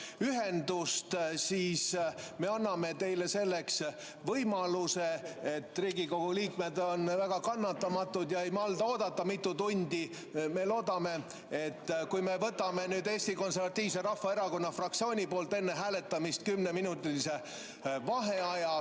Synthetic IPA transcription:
yɦend̪ust̪siːsme̞ɑnːɑme̞t̪e̞jle̞se̞lːe̞ks | vɤjmɑluseet̪ːriːɡiko̞ɡ̥uliːkme̞d̪o̞nvæɡ̥ɑkɑnːɑt̪ːɑmɑt̪ːud̪̥jɑejmɑld̪ɑo̞ːd̪ɑt̪ːɑmit̪ːut̪unʲd̪̥ʲi | me̞lo̞ːd̪ɑme̞ | et̪ːkujme̞vɤt̪ːˑɑme̞nyːd̪e̞ːsʲt̪iko̞ns̬eɾvɑt̪ʲːiːv̥seɾɑhfːɑe̞ɾɑko̞nːɑfrɑk̚t̪sio̞ːnʲipo̞ːlt̪ˑe̞nːe̞ɦæːle̞t̪ːˑɑmist̪kymneminut̪ːˑilise̞ | vɑɦe̞ɑjɑ

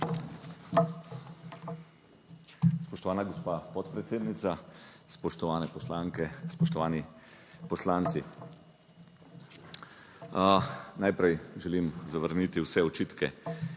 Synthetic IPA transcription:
spɔʃt̪ɔʋaːnaɡɔspaːpɔt̪pɾɛt̪seːd̪nit̪saspɔʃt̪ɔʋaːnɛpɔslaːŋkɛspɔʃt̪ɔʋaːni | pɔslaːnt̪si | najpɾɛjʒɛlimzaʋəɾnit̪iwsɛɔt͡ʃiːt̪kɛ̰

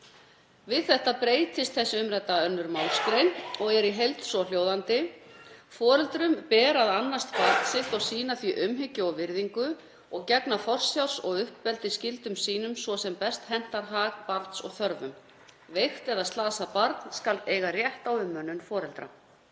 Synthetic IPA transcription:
vɪðθɛht̪apɾeːjt̪ɪst̪θɛsːɪʏmɾɛt̪ːaœnːʏɾmawlskɾejnɔɣɛɾiɦejlt̪sɔl̥joːwðant̪ɪ | fɔːɾɛlt̪ɾʏmpɛːɾaðanːast̪paɾt̪n̥sɪht̪ɔɣsiːnaθviʔʏmɦɪcːʏɔwvɪɾðiŋkʏ | ɔɣcɛknafɔr̥sjaw̥sɔɣʏhpːɛlt̪ɪscɪlt̪ʏmsiːnʏmsvɔsɛmpɛst̪hɛn̥t̪aɾɦaɣpaɾt̪sɔɣθœɾvʏm | vejxt̪ɛðast̪laːðsapaɾt̪nskalt̪eːjɣarjɛht̪awʏmːœnːʏnfɔːɾɛlt̪ɾa̰

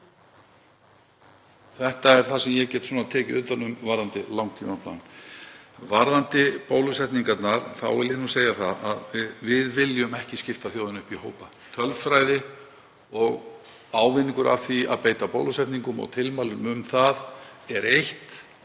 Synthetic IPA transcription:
θɛht̪aɛɾ̥θasɛmjɛɣcɛːt̪sɔːnaðt̪ʰɛːcɪʏnt̪anʏmvaɾðant̪ɪlawŋkt̪ʰiːmapla̰n | vaɾðant̪ɪpowlʏsɛt̪niŋkat̪naɾθa̰wvɪljɛnuseːjaθaðaðɪvɪðvɪljʏmɛhcɪscɪft̪aθjoːwðɪnʏhpihoːwpa | t̪ʰœlvfɾajðɪ | ɔɣ | aːwvɪnːiŋkʏɾʔa̰vθia̰ðpeːjt̪apo̰wlʏsɛht̪niŋkʏmɔ̰ɣt̪ʰɪlmaːlʏmʏmθaðɛɾejht̪

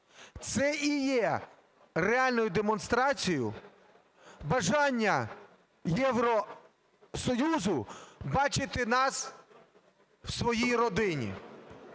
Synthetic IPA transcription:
t̪sɛʔijɛ | reɑlʲnɔjʊd̪emɔnst̪ɾɑt͡sʲijʊ̰ | bɐʒɑnʲːɐ | jɛwɾɔ | sɔjuzʊbɑt͡ʃɪt̪ɪnɑs | wsʋɔjijrɔd̪ɪnʲḭ

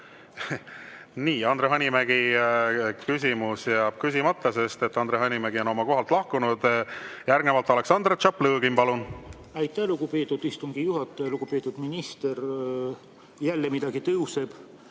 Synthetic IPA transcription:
niːɑnd̪ɾeɦɑnʲimæɡ̥i | kysʲimusjæɑb̥̚kys̬ʲimɑt̪ːˑɑse̞st̪e̞t̪ːˑɑnd̪ɾehɑnʲimæɡio̞no̞mɑko̞ɦɑlt̪lɑhkunud̪̥jærɡnevɑlt̪ːˑɑle̞ksɑnd̪ret̪t͡ʃɑpːlɤːɡimpɑlun | æjt̪ːˑæhluɡ̥upeːt̪ːˑud̪ist̪uŋɡ̥ijuɦɑt̪ːˑeluɡupet̪ːˑud̪̥minist̪eɾ | jælːemid̪ɑɡ̥it̪ɤuseb̥

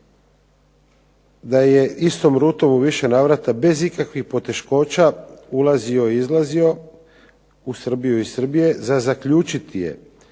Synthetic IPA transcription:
d̪aje̞ist̪o̞mɾuːt̪o̞muʋiʃe̞naːʋɾat̪abe̞zikakʋixpo̞t̪e̞ʃko̞ːt͡ʃaulazio̞iizlˠazio̞ | usr̩bijuisr̩bije̞zazakʎuːt͡ʃit̪ije̞̰

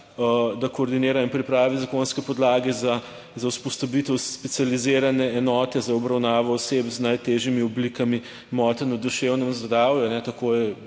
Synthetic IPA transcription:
d̪akoːɾd̪ineːɾainpɾipɾaːʋizakonskɛpɔd̪laːɡɛza | zauwspɔst̪ɐbit̪ɛwspɛt̪sializeːɾanɛːnɔːt̪ɛzaɔbɾawnaːʋɔːsepznajt̪eʒimiɔblikami | mɔːt̪ɛnud̪uʃewnɛmzɡɾawjuanɛt̪ɐkojɛ

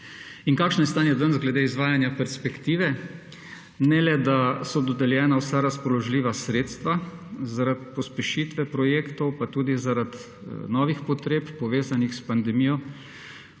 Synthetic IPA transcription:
iŋkaːkʃnɔjɛst̪aːnjɛd̪ənzɡlɛd̪eːizʋaːjanjapɛɾspɛkt̪iːʋɛ | nɛlɛd̪asɔd̪ɔd̪ɛljɛːnawsaɾaspɔlɔʒliːʋasɾeːt̪st̪ʋazaɾat̪̚pɔspɛʃiːt̪ʋɛpɾɔjeːkt̪ɔwpat̪uːd̪izaɾat̪ | nɔːʋixpɔt̪ɾeːppɔʋeːzanixspand̪ɛmiːjɔ

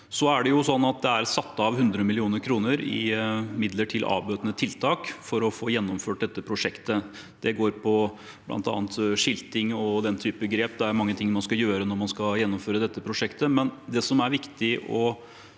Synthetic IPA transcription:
sɔæɖɛjʊsɔnːɑt̪̚d̪ɛæɾsɑt̪ːəɑʋhʉnd̪ɾəmɪlɪuːnəɾkʰɾuːnəɾɪ̰mɪd̪ləʈʰɪlʔɑ̰ːbøːt̪ənət̪ʰɪlt̪ʰɑːkfɔɾɔfoːjɛnːɔmføːʈ̚d̪ɛt̪ːəpʰɾʊʂɛkt̪ə | d̪̥ɛɡoːɾpʰɔ | b̥lʔɑ̰nt̪ɑ̰ːnt̪ʂɪlt̪ɪŋɔd̪ɛnt̪ʰyːpəɡɾeːp̚d̪ɛæɾmɑŋːət̪ʰɪŋːmɑnskɑjøːɾənɔɾmɑnskɑjɛnːɔmføːɾəd̪ɛt̪ːəpʰɾʊʂɛkt̪əmɛnd̪ɛsɔmæɾʋɪkt̪ɪʔɔ

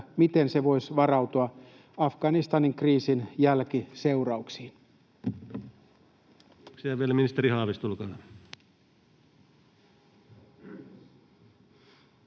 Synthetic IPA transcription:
mit̪e̞nseʋo̞jsʋɑrɑwt̪oɑ | ɑfɡ̥ɑnist̪ɑniŋkriːsinjælkise̞wrɑuksiːn | siæʋielæminist̪erihɑːʋist̪ulkɑː

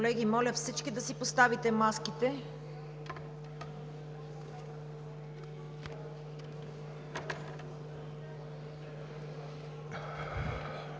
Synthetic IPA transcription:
olɛɡimɔlʲəfsit͡ʃkid̪ɐsipost̪avit̪ɛmaskit̪ɛ

